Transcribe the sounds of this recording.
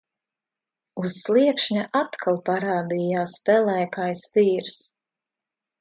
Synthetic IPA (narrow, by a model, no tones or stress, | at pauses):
uz̥ːlˠiɛkʃɲaʔat̪kʰalˠpaɾaːd̪ijaːspɛlæjkajsviːɾs